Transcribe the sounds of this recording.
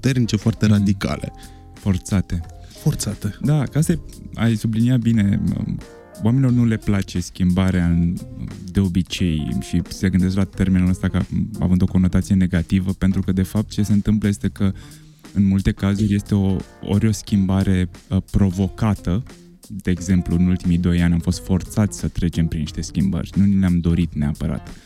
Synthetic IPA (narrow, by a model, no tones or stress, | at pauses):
ut̪ernit͡ʃe̞foart̪eɾad̪ika̰lḛ | fo̞rt̪sat̪e̞ | fort̪sat̪ed̪akəast̪aja̰jsubliniat̪̚bine̞̰ | wamenilo̞rnule̞plat͡ʃe̞skʲimbaɾeaɨ | d̪e̞o̞bit͡ʃe̞jʃiseɡɨnd̪es̬klat̪e̞rmenuləst̪akəa̰vɨnd̪o̞ko̞no̞t̪at̪sije̞ne̞ɡat̪ivəpe̞nt̪ɾukəd̪e̞fap̚t̪̚t͡ʃe̞se̞ɨnt̪ɨmpləje̞st̪e̞kə | ɨnmult̪e̞kazurʲje̞st̪e̞oo̰ɾʲo̞skʲimbaɾʔe̞pɾo̞vo̞kat̪ə | d̪e̞ːɡze̞mpluɨnult̪imijd̪o̞janʲamfo̞st̪fo̞rt̪sat̪sʲsət̪ɾe̞t͡ʃe̞mpɾiniʃt̪e̞skʲimbə̰rʲnunileamd̪o̞ɾit̪ne̞apəɾa̰t̪